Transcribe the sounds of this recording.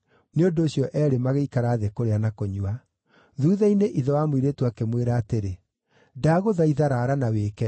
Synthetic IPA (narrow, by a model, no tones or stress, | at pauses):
neondoːɕjɔʔɛːɾemaɣeikaɾaːðekoɾeanakoɲua | ðuːðaineʔiðɔwamwiɾetwakemweɾaːteɾe | daɣoðaiðaɾaːɾanaweːkɛ